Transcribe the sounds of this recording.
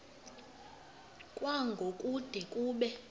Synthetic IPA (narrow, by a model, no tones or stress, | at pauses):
kʼwaŋɡʱokʼud̥ʱɛkʼuːɓɛ